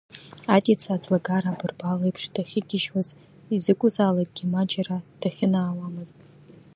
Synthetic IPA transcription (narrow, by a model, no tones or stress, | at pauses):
atʼit͡sʰaːd͡zʰʼlaɡaɾabɨrbalejpʰʂd̥aχʲɪɡʲɪʃwaz | izɨkʷʼʊzaːlakʼɡʲimad͡ʒarad̥aχʲɪnaːwamɨztʼ